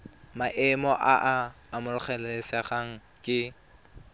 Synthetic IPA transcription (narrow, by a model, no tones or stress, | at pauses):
maʔɪmɔʔaʔaː | mʊlʊχɛlɛlɪsɛχaŋ̩ | kʼɪ